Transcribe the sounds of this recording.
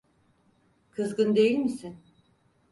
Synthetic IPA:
kʰɯzɡɯnd̪e̞jilʲmisin

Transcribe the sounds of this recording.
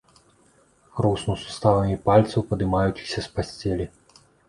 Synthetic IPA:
rusnusu̥st̪avɐmʲipalʲt̪sɐwpɐd̪ɨmajut͡sʲixsʲɐspasʲt͡sʲɛlʲi

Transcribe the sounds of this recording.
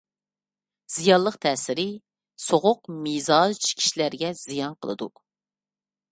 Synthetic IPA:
z̥ijɑnlˠəqt̪ʰɛːsɪɾɪ | soʁʊq̚mizɑt͡ʃʰi̥kʲʰi̥ʃlæɾɡʲɛz̥ijɑnqʰəlˠɨ̰d̪ṵ

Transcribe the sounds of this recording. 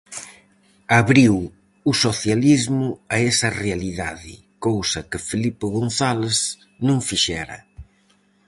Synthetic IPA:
aβɾiw | ʊsoθjalizmʊaɛsɐrealiða̰ðɪ̰ | kowsɐkɪfelipɪɣonθalez | nũŋfiʃɛɾɐ̰

